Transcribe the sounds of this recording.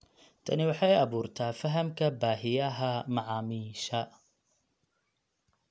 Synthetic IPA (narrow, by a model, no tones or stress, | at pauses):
t̪ʰɐnɪwɑħɑjɐβuːrt̪ʰaːfɐɦɐmkʰɐbaːɦɪjɐɦɐmɑʕɑːmiːʃɐ